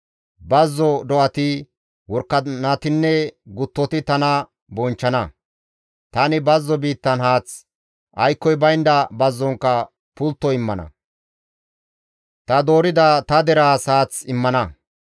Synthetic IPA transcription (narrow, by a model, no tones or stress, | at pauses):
bɐzːɔd̪ɔʔɐt̪ɪ | wɔɾkːɐnɐt̪ɪnːɛɡʊt̪ːɔt̪ɪt̪ɐnɐ | bɔnt͡ʃːɐnɐ | t̪ɐnɪbɐzːɔbiːt̪ːɐnhaːt͡s | ʔɐjkːɔjbɐjnd̪ɐbɐzːɔŋkːɐ | pʊlt̪ːɔɪmːɐnɐ̰ | t̪ɐd̪o̞ːɾɪd̪ɐt̪ɐd̪ɛɾaːsaːt͡sɪmːɐnɐ